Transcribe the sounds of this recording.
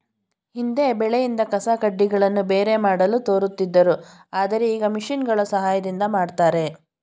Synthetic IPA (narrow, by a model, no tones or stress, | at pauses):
hind̪e̞bɛɭejind̪ɐkɐsakɐɖːiɡɐɭɐnːubeːɾe̞maːɽɐlut̪o̞ːɾut̪ːid̪ːɐɾu | aːd̪ɐɾe̞iːɡɐmiʂinɡɐɭɐsɐɦaːjɐd̪ind̪ɐmaːɖt̪aːɾe̞